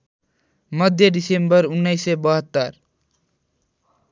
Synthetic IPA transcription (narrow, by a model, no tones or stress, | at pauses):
mʌd̪ʱjʌɖisembʌrunːʌjsʌbʌɦʌt̪ːʌr